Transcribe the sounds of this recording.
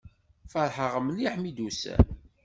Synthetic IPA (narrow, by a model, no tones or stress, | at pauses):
fəɾˤħəʁəmliħmid̪usæ̰